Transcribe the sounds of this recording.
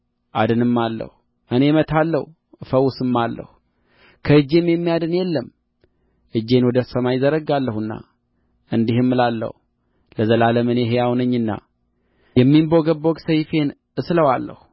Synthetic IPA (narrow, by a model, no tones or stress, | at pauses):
ʔa̰d̪ɨnɨmːalːə̰hu | ʔɨne̞mət̪ʰalːəh | fəwʊsɨmːalːə̰hu | kʰəɨd͡ʒːe̞mjɛmːijad̪ɨnjɛlːəm | ʔɨd͡ʒːe̞nwɔd̪əsəmajɪzəɾəɡalːəhɨnːa̰ | ʔɨnd̪ihɨmːɨlalːə̰hu | ləzəlaləmɨne̞ɦejawnəɲːɨnːa̰ | jɛmːimboɡəbːoɡsəjfe̞n | ɨsləwalːə̰hu